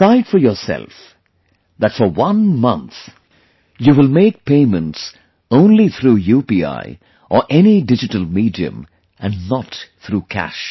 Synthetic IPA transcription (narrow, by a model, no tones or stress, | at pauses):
aɪdfɔ˞jɔːsɛ̰lˠf | ðætfɔ˞wʌ̃nmʌ̃nt̪ | juwɪlmeɪk̚pʰẽɪmə̃nts | õʊ̃nliθʰɾuːjupia̰ɪ | ʔəɹʔɛniɖɪd͡ʒɨʈəlˠmiːdiɨ̰̃m | ʔæ̃nnət̪θɾukʰæ̰ʃ